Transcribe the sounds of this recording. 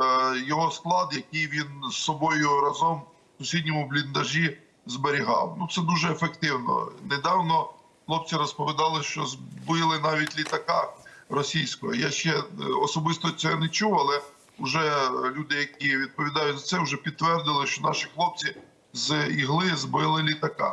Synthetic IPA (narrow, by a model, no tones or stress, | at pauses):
jɔɦɔsklˠɑd̪jɐkijʋʲinsːɔbɔjʊɾɐzɔm | sʊsʲidʲnʲɔmʊblʲind̪ɐʒi | zbeɾʲiɦɑ̰wnut̪sɛd̪uʒɛːfekt̪ɪwnɔ̰ned̪ɑwnɔ | xlˠɔp̚t͡sʲiɾɔspɔʋʲid̪ɑlˠɪʃt͡ʃɔzbɪlˠɪnɑʋʲitʲlʲit̪ɐkɑrɔsʲijsʲkɔ̰jɔjaʃt͡ʃɛɔsɔbɪst̪ɔsʲɛɛnɛt͡ʃuɐlˠɛ | ʊʒɛlʲud̪ɪjɐkʲiʋʲid̪̚pɔʋʲid̪ɑjʊzɐt̪sɛʊʒɛpʲid̪̚t̪ːʋɛrd̪ɪlˠɪʃt͡ʃɔnɑʃixlˠɔp̚t͡sʲi | ziɦlˠɪzbɪlˠɪlʲit̪ɐkɑ̰